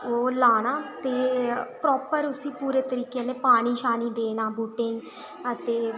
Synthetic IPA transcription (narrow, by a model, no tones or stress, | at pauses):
oːlaːnaːt̪eːpɾɔːpəɾʊsĩːpuːɾeːt̪əɾiːkeːnẽːpaːɽ̃iːʃaːniːd̪eːnãːbuːʈẽːĩː | ət̪eː